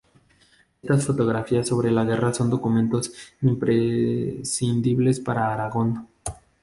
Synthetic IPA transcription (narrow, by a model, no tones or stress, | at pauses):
est̪asfo̞t̪o̞ɣɾafiasːo̞βɾe̞laɣe̞raso̞nd̪o̞kumẽ̞nt̪o̞simpɾesind̪iβle̞spaɾaːɾaɣo̞n